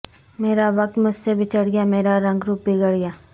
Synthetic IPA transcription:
meːɾaʋɐk̚t̪mʊd͡ʒʱsebʱɪt͡ʃəɽɡjameːɾaɾɐ̃ŋɡɾuːp̚biɡəɽɡjaː

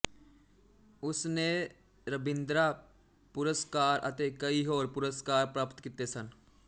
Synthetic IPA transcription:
ʊsne | ɾəbɪ̃nd̪ɾa | pʊɾəskaːɾʔɐ̰t̪ekɐiɦoːɾpʊɾəskaːɾpɾaːpt̪kit̪esən

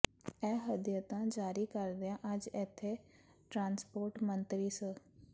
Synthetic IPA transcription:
ɛːɦəd̪jət̪ãːd͡ʒaːɾiːkəɾd̪eãːʔəd͡ʒɪt̪ʰːeː | ʈɾãːnspoːɾʈmənt̪ɾiːsə

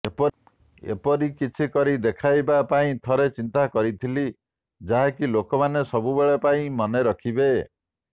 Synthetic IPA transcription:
epɔ | ḛpɔɾikit͡ʃʰikɔɾid̪ekʰajbapaĩt̪ʰɔɾet͡ʃint̪akɔɾit̪ʰili | d͡ʒaɦakilokɔmanesɔbubeɭepaĩmɔneɾɔkʰibe

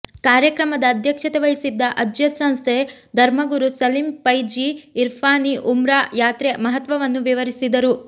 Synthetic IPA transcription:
kaːɾjɐkɾɐmɐd̪ɐːd̪ʱjɐkʂɐt̪eʋɐjisid̪ːɐʔɐd͡ʒjɐsɐ̃ñst̪ʰed̪ʱɐɾmɐɡuɾusɐlimpɐjd͡ʒiːɾpʰaːniʔumɾaːjaːt̪ɾemɐɦɐt̪ʋɐʋɐnːuʋiʋɐɾisid̪ɐɾu

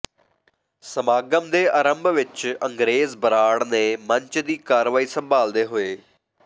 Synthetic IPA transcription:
səmaːɡəmd̪eːʔaːɾəmbʱʋɪt͡ʃəŋɡɾeːzbəɾaːɽneːməɲt͡ʃd̪iːkaːɾʋaːiːsəmbaːld̪eːɦoːeː

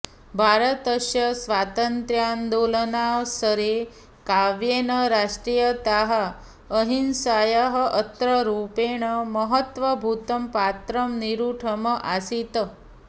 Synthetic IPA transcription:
bʱaɾət̪əɕjəsʋat̪ənt̪ɾjand̪olənaʋsəɾe | kaʋjenəɾaʂʈɾijət̪aɦa | əɦinsajaɦəʔət̪ɾəɾupeɳ̃əməɦət̪ʋəbʱut̪əmpat̪ɾəmniɾuʈʰəməʔasit̪ə

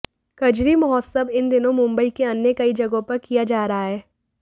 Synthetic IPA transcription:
kɐd͡ʒɾimʊɦɔsəbɪnd̪ɪnõmʊ̃mbəikeɐnːekɐid͡ʒɐɡõpɐɾkijad͡ʒaːɾɐɦaɦɛː

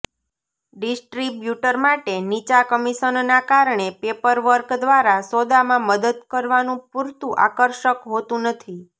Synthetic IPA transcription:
ɖisʈɾibjuʈəɾmaʈenit͡ʃakəmiʃənnakaɾɳepepəɾʋəɾkd̪ʋaɾasod̪amãməd̪əd̪kəɾʋanũpuɾt̪ũʔa̰kəɾʃəkɦot̪ũnət̪ʰi

